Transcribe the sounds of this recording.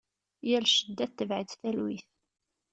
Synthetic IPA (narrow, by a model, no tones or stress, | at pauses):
jəɾʃəd̪ːæθːəvʕiðθælwiθ